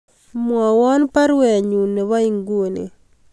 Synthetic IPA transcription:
mwɔ˨wɔ˦npa˦ɾwɛ˨ɲu˨ne˨wa˦i˦ŋɡwo˨nḛ˨

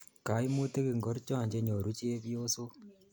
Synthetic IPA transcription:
ka˨˦i˦mu˦te˦ki˨ŋɡo˦ɾt͡ʃaː˨ɲd͡ʒe˦ɲo˨ɾut͡ʃe˦βjoː˦so˦

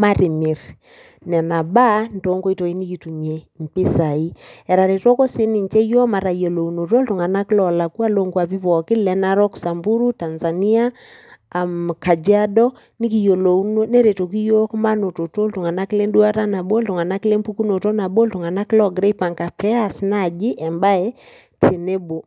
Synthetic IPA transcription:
ma˦ɾi˨mɪ˨ɾ | nɛ˨na˨ba˦nto˨˦ŋɡo˦i˦to˨i˦ni˦ki˨tu˨m˨e˨mpɪ˦sa˨i˦ɛ˨ɾa˨ɾe˨to˦ko˦si˦ni˨ɲt͡ʃe˦jo˦ma˨ɾa˨jo˨lo˨u˨no˨to˦lto˨ŋa˨na˦klɔ˨la˨ku˦a˦lo˦ŋɡwa˨pi˦βɔ˨kɪ˦lɛ˨na˦ɾɔ˦ksa˨mbu˦ɾu˦ta˨nza˨ni˦aː˦˨ | mka˨d͡ʒa˦dɔ˦ | ni˦ki˨jo˨lo˨u˦no˦ne˦ɾe˨to˨ki˦jo˦kma˦no˨to˨to˦lto˨ŋa˨na˦ki˦le˦ndu˦a˦ta˦na˨bo˦lto˨ŋa˨na˦ki˦le˦mpu˦ku˦no˨to˦na˨bo˦lto˨ŋa˨na˦klɔ˦ɡɾe˦i˦pa˨ŋka˨pʰɛ˦a˦˨sna˦˨d͡ʒi˦ʔɛ˨mba˦e˦ | tʰe˨ne˦bo˨

